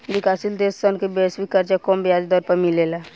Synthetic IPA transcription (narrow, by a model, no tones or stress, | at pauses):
bɪkaːsild̪eːsːənkebesʋikːəɾt͡ʃakɔːmbjaːd͡ʒd̪ɔɾpɐɾmileːla